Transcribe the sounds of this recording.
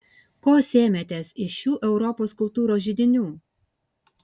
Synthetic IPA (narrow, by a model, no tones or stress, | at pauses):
koːsʲeːmʲɛt̪ʲeːsɪʃuːʔɛʊɾɔpoːskʊlˠt̪uːɾoːsʒʲɪd̪ʲɪnʲuː